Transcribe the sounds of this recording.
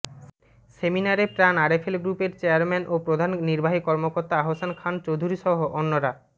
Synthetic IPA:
seminaɾepɾanaɾefʰelɡɾupeɾt͡ɕeaɾmɛnʔopɾod̪ʱanniɾbaɦikɔɾmokoɾt̪aaɦosankʰant͡ɕowd̪ʱuɾiʃɔɦoʔonːoɾa

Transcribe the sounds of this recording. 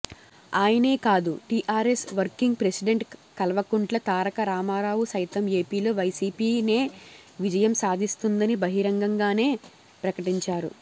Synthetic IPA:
aːjɐne̞ːkaːd̪uʈiːʔaːɾesʋɐɾkiŋɡ̚pɾesiɖe̞ɳʈkɐlɐʋɐkuɳʈlɐt̪aːɾɐkɐɾaːmaːɾaːwusɐjt̪ɐme̞ːpiːlo̞ːʋɐjsiːpiːneː | ʋid͡ʒɐjɐmsaːd̪ʱist̪und̪ɐnibɐɦiɾɐŋɡɐŋɡaːne̞ː | pɾɐkɐʈiɲt͡ʃaːɾṵ

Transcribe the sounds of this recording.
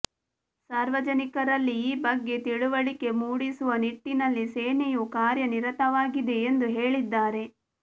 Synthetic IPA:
saːɾʋɐd͡ʒɐnikɐɾɐlːiiːbɐɡːe̞t̪iɽuʋɐɭike̞muːɽisuʋɐniʈːinɐlːiseːnejukaːɾjɐniɾɐt̪ɐʋaːɡid̪e̞ːnd̪uɦe̞ːɭid̪ːaːɾe̞

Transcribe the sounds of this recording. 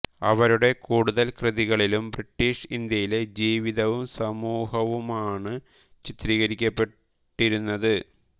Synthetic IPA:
ɐ̰ʋɐɾuɽe̞kuːɽuðɐlkrɨðiɣɐɭilumbriʈːiːʂind̪jɐjiled͡ʑiːʋiðɐʋumsɐmuːɦɐʋumaːɳɨ | t͡ɕit̪ɾiːɣɐɾikʲːɐpːe̞ | ʈːiɾunːɐðɨ

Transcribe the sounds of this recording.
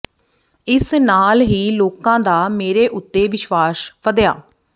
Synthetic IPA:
ɪsnaːlɦiːloːkãːd̪aːmeːɾeːʔʊt̪ːeːʋɪʃʋaːspʰəd̪eja̰ː

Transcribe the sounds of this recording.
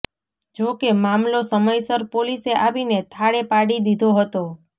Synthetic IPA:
d͡ʒokemamlosəməjsəɾpoliseʔaʋinet̪ʰaɽepaɽid̪id̪ʱoɦət̪o

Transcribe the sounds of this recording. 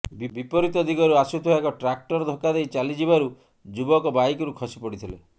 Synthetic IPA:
bibipɔɾit̪ɔd̪iɡɔɾuasut̪ʰuaekɔʈɾak̚ʈɔɾɔd̪ʱɔkːad̪ejt͡ʃalid͡ʒibaɾu | d͡ʒubɔkɔbajkɔɾukʰɔsi̥pɔɽit̪ʰile

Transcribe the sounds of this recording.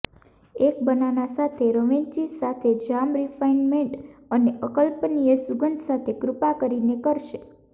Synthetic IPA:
ek̚bənanasat̪ʰeɾəʋeɲt͡ʃisat̪ʰed͡ʒamɾifainmeɳʈəneəkəlpnijesuɡənd̪sat̪ʰekɾupakəɾinekəɾʃe

